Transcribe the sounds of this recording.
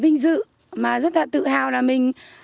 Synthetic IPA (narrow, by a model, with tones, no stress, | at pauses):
ɓï˧ŋ̟zɨ̰˧˨ | maː˨˩zə˦˥t̚laː˨˩t̪ɨ̰˧˨haː˧˩wlaː˨˩mï˨˩ŋ̟